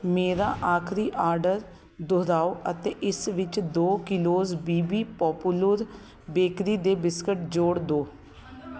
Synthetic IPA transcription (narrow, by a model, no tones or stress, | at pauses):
meːɾaːʔaːkʰɾiːʔaːɾɖəɾ | d̪ʊɾaːoːʔət̪eːʔɪsʋɪt͡ʃd̪oːkɪloːzbiːbiːpɔːpuləɾ | beːkɾiːd̪eːbɪskɪʈ̚d͡ʒoːɽd̪oː